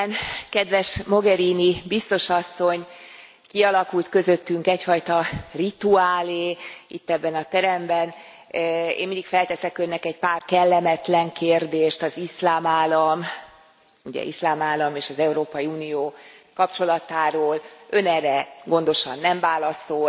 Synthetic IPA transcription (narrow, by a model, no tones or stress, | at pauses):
nkɛd̪ʋɛʃmo̞ɡɛɾiːnibist̪o̞ʃɒsːo̞ɲ | kiɒlɒkult̪kø̞zøt̪ːyŋkɛcfɒjt̪ɒrit̪uaːleːḭt̪ːɛbːɛnɒt̪ɛɾɛmbɛn | ḛːmind̪ikfɛlt̪ɛsɛkønːɛkɛɟpaːrkɛlːɛmɛt̪lɛŋkʰeːrd̪eːʃt̪ɒzislaːmaːlɒm | uɟɛ̰ʔislaːmaːlːɒmeːʃɒzɛuɾoːpɒjiuːnijoːkɒpt͡ʃo̞lɒt̪aːɾoːlø̞nɛːrːɛɡo̞n̪d̪o̞ʃɒ̰nːɛɱvaːlɒso